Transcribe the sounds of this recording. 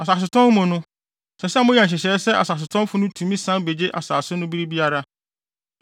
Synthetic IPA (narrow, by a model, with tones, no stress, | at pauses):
a˨s̬a˨s̬ɪ˨tʰɔ̃˦mmʊ̃˨nʊ̃˦ | sɛ˨sɛ˦mʊ̃˦jɛ˨ɲ˨ɕ̬ɪ˨ɕɛ˨˦sɛ˦ʔa̰˨sa˨s̬ɪ˨tʰɔ̃˦m˦fʊ˦nʊ̃˦tʰũ˨mĩ˦sã˦be˨d͡ʑe˦ʔa̰˨saː˨sʊ˦nʊ̃˦bi˦ɾi˦bi˦a˦ɾa˦